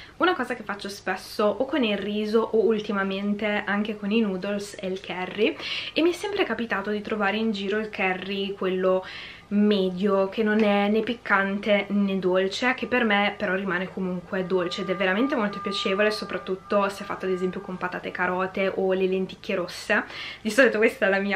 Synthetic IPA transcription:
unakɔːzakefːat͡ʃːospɛsːoʔokːonilriːzoʔoult̪imament̪eaŋk̟ekoninuːd̪olselkʰɛrːiemːiɛsːɛmpɾekapit̪aːt̪od̪it̪ɾovaːɾeind͡ʒiːɾoilkʰɛrːikwelːo | mɛːd̪jok̟enːonɛnepikːant̪ened̪olt͡ʃek̟epːermepeɾɔrːimaːnekomuŋkwed̪olt͡ʃeːd̪ɛvːeɾament̪emolt̪opjat͡ʃeːvolesopɾat̪ːut̪ːoseɛfːa̰t̪ːoad̪ezɛmpjokompat̪a̰ːt̪ekaɾɔːt̪eʔolelent̪i̥kʰːeɾosːed̪isɔlit̪okwest̪ɛlamiːa

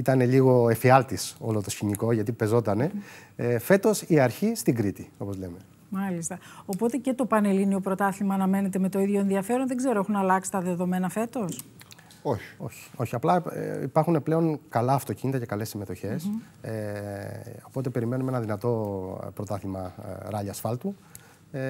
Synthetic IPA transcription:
it̪ɐne̞ʎiɣo̞e̞fiɐlt̪iso̞̰lot̪o̞sçiɲiko̞ʝɐt̪ipe̞zo̞t̪ɐne̞ | fe̞t̪o̞siɐɾçist̪iŋɡɾit̪io̞po̞zle̞me̞ | mɐlist̪ɐo̞po̞t̪e̞ce̞t̪o̞pɐne̞linio̞pɾo̞t̪ɐθimɐːnɐme̞ne̞t̪eme̞t̪o̞iðʝo̞e̞nðiɐfe̞ɾo̞nðeɡze̞ɾoe̞xunɐlɐksi̥t̪ɐðe̞ðome̞nɐfe̞t̪o̞s | oç̥o̞çi̥o̞çiɐplɐipɐɾxune̞ple̞o̞ŋkɐlɐːft̪o̞cinit̪ɐcekɐle̞sime̞t̪o̞çe̞s | o̞po̞t̪e̞peɾime̞numenɐðinɐt̪o̞pɾo̞t̪ɐθimɐ̰ɾɐʎɐsfɐlt̪u

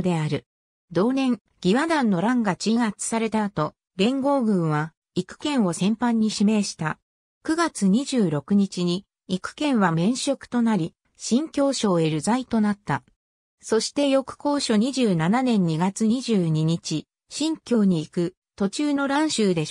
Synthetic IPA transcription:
d̪e̞aɾɯ̟ | d̪o̞ːnẽ̞ŋ | ɡ̥ʲiβad̪ãnːo̞ɾãŋɡat͡ɕiŋat͡sɨ̥saɾe̞t̪aːt̪o̞ | ɾẽ̞ŋɡo̞ːɡɯ̟̃ɰ̃βa | ikɯ̥kẽ̞ɰ̃o̞sẽ̞mpãɲ̟ːiɕime̞ːɕi̥t̪a | kɯ̟ɡat͡sɨɲ̟iʑɨːɾo̞kɯ̟ɲ̟it͡ɕiɲ̟i | ikɯ̟̥kẽ̞ɰ̃βamẽ̞ɰ̃ɕo̞kɯ̥t̪o̞naɾʲi | ɕĩŋkʲo̞ːɕo̞ːe̞ɾɯ̟zait̪o̞nat̪ːa | so̞ɕi̥t̪e̞jo̞kɯ̟̥ko̞ːɕo̞ɲ̟iʑɨːnananẽ̞ɲ̟ːiɡat͡sɨɲ̟iʑɨːɲ̟iɲ̟it͡ɕi | ɕĩŋkʲo̞ːɲ̟iːkɯ̟ | t̪o̞t͡ɕɨːno̞ɾãɰ̃ɕɨːd̪e̞

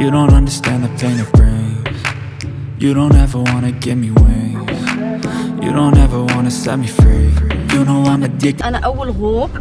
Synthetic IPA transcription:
jɨɾõʊ̃ntʌ̃ndə˞stæ̃nðɨpʰẽɪ̃ñʌvb̥ɹẽɪ̃nz | jɨɾõʊ̃ntɛvə˞wɑ̃ñɨɡɛt̚miwe | jɨ̰ɾõʊ̃ntɛvə˞wɑ̃nɨsɛ̰t̚mifɹeɪjɨnwɑ̃nɨdɪk̚ə̃nʔʌwəlwok

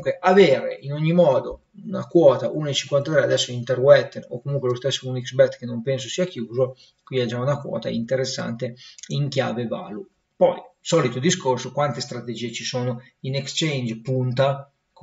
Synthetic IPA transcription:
ŋkweʔaveːɾḛʔinoɲːimɔːd̪o | una̰kwɔːt̪aʔuːnaet͡ʃiŋkwant̪at̪ɾɛead̪ɛsːoint̪erwɛt̪ːenokːomuŋkwelost̪esːounikzbɛt̪ːkenompens̬osiakjuːzo | kwinad͡ʒaunakwɔ̰ːt̪a̰int̪eɾesːa̰nt̪eiŋkja̰ːveva̰ːlu | pɔjsɔːlit̪od̪iskorsokwant̪est̪ɾat̪ed͡ʒiːet͡ʃisoːno | inekst͡ʃejnd͡ʒpunt̪a

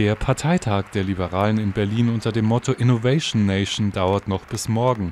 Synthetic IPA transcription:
deːɐpʰaɐtʰaɪtʰaːkd̥eːɐlibəʁaːlənɪnbɛɐliːnʔʊntɐdeːmːɔtʰoʔɪnovɛɪʃnːeɪʃndaʊɐtnɔχb̥ɪsmɔɐɡŋ̩

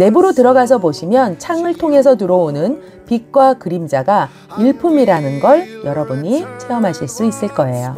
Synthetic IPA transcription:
ne̞buɾotɯɾʌɡas̬ʰʌboɕʰimjʌnt͡ɕʰaŋɯɭtʰoŋe̞sʰʌtuɾʌonɯn | pik̚k͈wakɯɾimd͡ʑaɡa | iɭpʰumiɾanɯnɡʌɭjʌɾʌbuɲit͡ɕʰe̞ʌmɦaɕʰiɭs͈uis͈ɯɭk͈ʌe̞jo̰

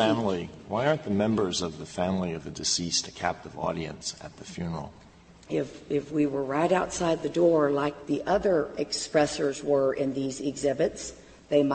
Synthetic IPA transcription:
æ̃mliwaɪɑ̃ɹnðɨmɛ̃mbə˞zʌvðɨfæ̃mliʌvɨdɨsistʰɨkʰæ̰p̚tɨvɔ̰ɾiɨ̰̃nsɨ̰t̪̚ðɨfjʉnə̰˞l̩ˠ | ɪfɪfwiwə˞ɹaɪɾaʊtsaɪd̪̚ðɨdɔɹlaɪk̚ðiʔʌðə˞ɨkspɹɛsə˞zwə˞ʔɪ̃nðizɪɡzɪbɨts | ðeɪm

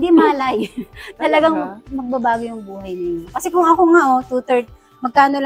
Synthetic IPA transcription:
d̪imaːlɐjt̪ɐlɐɡaŋmɐɡ̚bɐbaːɡojʊŋbuːhɐjnɪɲokɐsɛkʊŋɐkoŋaʔot̪ut̪ɛɹt̪̚ | mɐɡ̚kaːnol

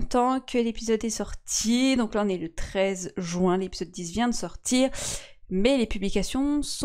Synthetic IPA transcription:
t̪ɑ̃kʰəlepizɔd̪ɛsɔʁt̪ʰid̪ɔ̃klaɔ̃nɛlət̪χɛzʒɥwɛ̃lepizɔd̪̚ːizvjɛ̃d̪əsɔʁt̪ʰiːʁmɛlepyblikasjɔ̃s

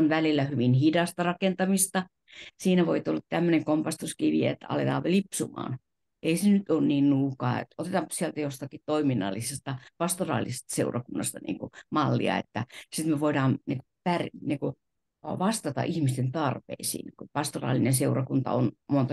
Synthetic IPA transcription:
onʋælilːæhyʋinhidɑst̪ɑrɑkent̪ɑmist̪ɑ | siːnæʋoit̪ulːɑtt̪æmːøneŋkompɑst̪uskiʋiḛt̪ːæɑ̰let̪ɑ̰ːʋelipsumɑ̰ːn | ʔeisenyt̪onniːnnuːkɑːḛt̪ot̪et̪ɑmpsiælt̪æjost̪ɑkitt̪oiminːɑ̰lːisest̪ɑpɑst̪orɑ̰ːlːise̥st̪ɑ̥seurʔɑkunːɑst̪ɑnḭːŋkumɑlːḭɑ̰ḛt̪ːæsit̪meʋoidɑːnnikupæriniːŋku | ʋɑst̪ɑt̪ɑ̰ʔihmist̪ent̪ɑrpḛisḭːnkupɑst̪orɑ̰ːlinenseurɑkunt̪ɑ̰onmont̪ɑ

